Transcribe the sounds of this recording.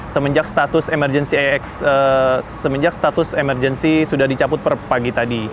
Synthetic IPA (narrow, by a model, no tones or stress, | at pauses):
səməɲd͡ʒakst̪at̪ʊsemərd͡ʒɛnsiaɛksəsəməɲd͡ʒak̚st̪at̪ʊsemərd͡ʒɛnsisudahdit͡ʃapʊt̪̚pərpaɡit̪adi